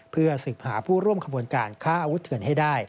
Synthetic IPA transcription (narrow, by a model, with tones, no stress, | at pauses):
pʰɯ˥˩ɐsɯ˨˩k̚haː˩˦pʰuː˥˩ɾu˥˩əmkʰa˧bu˧ənkaː˧nkʰaː˥˩ʔa˧wu˦˥t̪ʰːɯ˨˩ənha˥˩jdaː˥˩j